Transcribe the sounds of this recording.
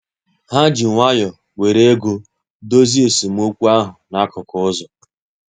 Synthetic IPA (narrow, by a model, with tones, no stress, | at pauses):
ha˦d͡ʒi˨ŋʷa˦jɔ˨ | we˨ɾe˦ɡu˦ | do˦zi˦e˨si˨m̩˦o˦kʷu˦a˦ɦʊ˨na˦kʊ˨kʊ˦ʊ˦zɔ˨